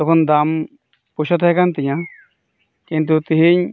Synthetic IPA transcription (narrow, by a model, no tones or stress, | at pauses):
t̪ɔkʰɔnd̪am | puʃʰat̪ɦɔjkant̪ijã | kint̪̬ut̪iɦiɲ